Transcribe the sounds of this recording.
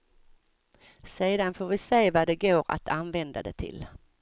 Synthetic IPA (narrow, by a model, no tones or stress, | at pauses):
seːd̪anfoːɾvɪseːvaɖ̪ɛɡoːɾa̰t̪ʰanvɛnd̪a̰d̪ɛ̰t̪ʰɪ̰l